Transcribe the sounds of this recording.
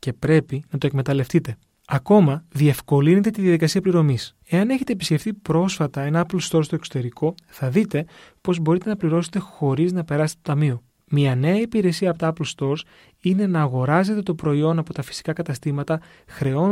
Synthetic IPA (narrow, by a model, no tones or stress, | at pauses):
ce̞pɾe̞pinɐt̪o̞ekme̞t̪ɐle̞ft̪it̪e̞ | ɐko̞mɐðie̞fko̞line̞t̪e̞t̪iðjɐðikɐsiɐpliɾo̞mis | e̞ɐne̞çet̪e̞ːpisce̞ft̪ipɾo̞sfɐt̪ɐe̞nɐɐplst̪o̞ɾst̪o̞ekso̞t̪e̞ɾikʰo̞θɐðit̪e̞po̞zbo̞ɾit̪e̞nɐpliɾo̞se̥t̪e̞xo̞ɾiznɐpe̞ɾɐse̥t̪e̥t̪ot̪ɐmio̞ | miɐne̞ɐipiɾe̞siɐpot̪ɐɐplst̪o̞ɾs | ine̞nɐːɣo̞ɾɐze̞t̪e̞t̪o̞pɾo̞io̞nɐpo̞t̪ɐfi̥si̥kɐkɐt̪ɐst̪imɐt̪ɐ | xɾe̞o̞